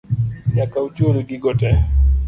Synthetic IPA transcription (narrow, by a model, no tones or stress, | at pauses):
ɲakaut͡ʃoɾiɡiɡɔtɛ